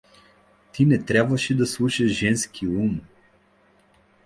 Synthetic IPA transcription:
t̪ʰinɛt̪ɾʲabvɐʃid̪aslˠuʃɐʒʒɛnskʰium

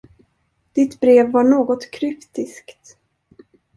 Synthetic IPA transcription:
d̪̥ɪt̪bɾeːvːaɳoːɡɔt̪kʰɾʏpt̪ɪskt̪

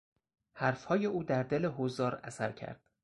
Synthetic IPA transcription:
hæɾfhɒːje̞uːd̪æɾd̪e̞le̞ɦozɒːɾæsæɾcʰæ̰ɾd̪̥

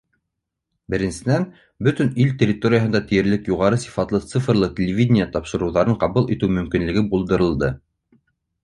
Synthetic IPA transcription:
bɘ̆ɾɘ̆nsɘ̆næn | bɵt̪ɘnilt̪ʲerʲɪt̪o̞ɾʲɪjəɦɤ̆nd̪ɑt̪ɘ̆jɘ̆ɾlɘkjuʁɑɾɤsi̥fɑt̪lˠɤt̪sɨfrlˠɤtʲelʲɪvʲidʲnʲɪjət̪ɑpʃɤ̆ɾɤ̆wðɑɾɤɴqɑβulˠit̪ɘwmɵ̆mkinlɘ̆ɡɘbulˠd̪ɤ̆ɾɤ̆lˠd̪ɤ

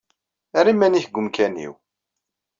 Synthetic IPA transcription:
æɾimːæniçɡʷʊmkænḭw

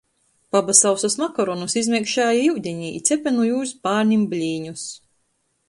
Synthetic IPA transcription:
pabasawsasmakɔɾɔnusizmʲiɛkʃaːjaiwd̪ʲɛɲiḭt̪sʲɛpʲɛnujuːspaːɾnʲimblʲiːɲus

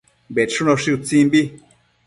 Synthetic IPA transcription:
beʂunõʂiut͡sĩmbi

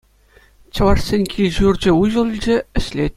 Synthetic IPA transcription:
t͡ɕɤ̆ʋɑʂsʲenʲkʲʰilʲʑurʲd͡ʑɘ̆uʑɤ̆lˠilʲd͡ʑɘ̆ɘ̆ɕlʲetʲ

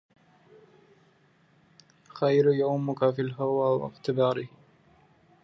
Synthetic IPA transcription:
xajɾjawmʊkafilɦawaːwa̰ɣt̪ɪbaːɾɪh

